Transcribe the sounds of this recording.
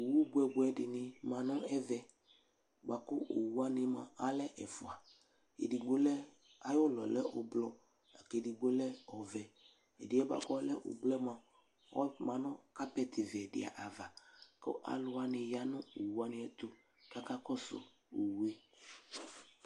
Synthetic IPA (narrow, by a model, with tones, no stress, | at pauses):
o˨wu˦ɡ͡bu˨˦ɛ˨ɡ͡bu˨ɛ˨dɪ˨nɪ̃˨mã˨nɔ̃˦ɛ˦vɛ˨ | ɡ͡ba˨kʊ˦ʔo˨wu˦a˦nɪ̃˨mã̰˨a˦lɛ˦ʔɛ˨fʊ˨a˨ | ḛ˨di˨ɡ͡bo˦lɛ˦ | a˦jo˦lɔ˨lɛ˦o˨blɔ˨ | a˨ke˨di˨ɡ͡bo˦lɛ˦ɔ˨vɛ˨ | ḛ˨di˨ɛ˦ba̰˨kɔ˦lɛ˦ʔo̰˨blɛ˦mã˨ | ɔ˦mã˨nɔ̃˦ka˦pɛ˦t̪ʰɪ˨vi˨ɛ˨dɪ̰˨a̰˨ʔa˨va˨kɔ̰˦ʔa̰˨lʊ˦a˨nɪ̃˨ja˦nʊ̃˦o˨wu˦a˦nɪ̃˨ɛ˦t̪o˦ | ka˦ka˦kɔ˦sʊ̰˦ | o˨wu˨˦e˦